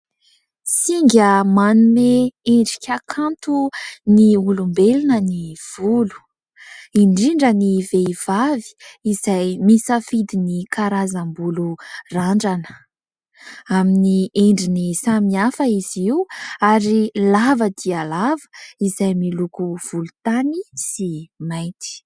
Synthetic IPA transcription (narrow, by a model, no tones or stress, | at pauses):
siŋɡʲəmanumeeɳɖ͡ʐikʲakʰant̪uniulumbelinəniv̥ulu̥ | iɳɖ͡ʐiɳɖ͡ʐəniveiv̥avi̥ːzajmisəfid̪inikʰaɾazambuluraɳɖ͡ʐanə̥ | aminieɳɖ͡ʐinisamiafəiziuaɾilavəd̪ialavə̥izajmilukuv̥ulut̪anisimajt̪i̥